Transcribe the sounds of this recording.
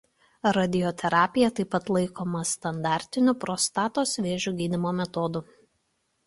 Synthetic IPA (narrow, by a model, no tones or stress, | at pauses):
ɾɐd̪ʲɪjɔt̪ʲʰɛɾɑːpʲɪjɛt̪ɐɪpɐt̪lˠɐɪkoːmɐst̪ɐnd̪ɑˑɾʲt̪ʲɪnʲʊpɾɔst̪ɑːt̪oːsʋʲeːʒʲuɡʲiːd̪ʲɪmoːmʲɛt̪ɔd̪ʊ